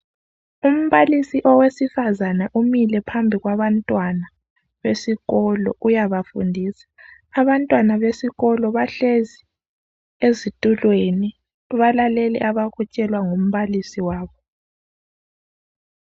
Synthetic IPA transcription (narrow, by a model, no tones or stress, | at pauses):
um̩βalisiʔɔwesifazanaʔumilɛpʰambʱiɣwaβantʼwana | βesiɣɔlɔ̰ʔujaβafṵndʱisḁː | βantʼwanaβesiɣɔlɔβaɬezi | ezitʼulweni | βalalɛlɛ̰ʔaβaɣut͡ʃʼɛlwaŋom̩βalisiwaːβɔ